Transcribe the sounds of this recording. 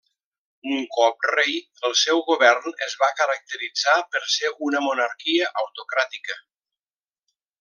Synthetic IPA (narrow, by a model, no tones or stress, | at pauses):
uŋkɔp̚rej | əlˠsɛwɣuβɛrnəzβakəɾək̚t̪əɾid͡zapəɾseunəmunəɾkiəʔəwt̪ukɾat̪ikə